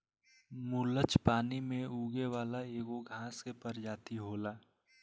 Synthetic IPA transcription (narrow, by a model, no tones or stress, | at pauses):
mulət͡ʃpaːnimẽuːɡeʋaːlaeːɡoɡʱãːskepəɾd͡ʒaːt̪iɦoːlaː